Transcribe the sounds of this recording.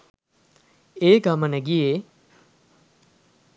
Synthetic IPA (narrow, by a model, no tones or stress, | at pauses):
eːɡamənəɡije